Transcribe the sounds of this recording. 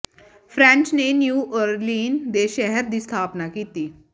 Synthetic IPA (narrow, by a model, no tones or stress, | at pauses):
fʰɾɛ̃ːɲt͡ʃnenjuːʔəɾliːnd̪eʃɛɦəɾd̪iːst̪ʰaːpnakiːt̪iː